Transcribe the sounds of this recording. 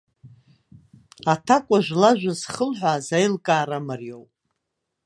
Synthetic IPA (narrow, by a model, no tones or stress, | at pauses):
atʰakʷʼaʒʷlaʒʷᶣazχəlħʷazajlkʼaːɾamarjowpʼ